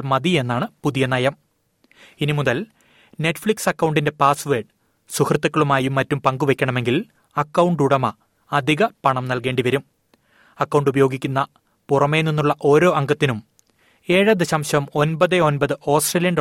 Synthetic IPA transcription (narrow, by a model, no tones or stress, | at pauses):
lmɐðie̞nːaːɳɨpuðijɐnɐjɐm | inimuðɐl | ne̞ʈːfɭiksɐkːɐwɳɖinde̞paːsʋeːɖ | suhrɨt̪ːɐkːɐɭumaːjumːɐtːumpɐŋɡuʋe̞kʲːɐɳɐme̞ŋɡil | ɐkːɐwɳɖuɽɐmɐː | d̪ʱiɣɐpɐɳɐmnɐlke̞ːɳɖiʋɐɾum | ɐkːɐwɳɖubɐjo̞ːɡikʲːunːɐ | purɐme̞ninːuɭːɐʔo̞ːɾo̞ːʔɐŋɡɐt̪ːinum | e̞ːɻɐd̪ɐɕɐmɕɐmo̞nbɐðɨo̞nbɐðɨʔo̞ːsʈreːlijɐn